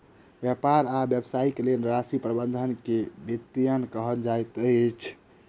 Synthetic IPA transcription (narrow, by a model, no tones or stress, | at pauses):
bjapaɾabjəbsaikelelɾasipɾəbənd̪ʱənkebit̪ːijənkəɦəld͡ʒajt̪ət͡ʃʰ